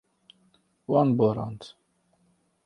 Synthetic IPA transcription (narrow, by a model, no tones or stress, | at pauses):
wãnbɔɾã̰nt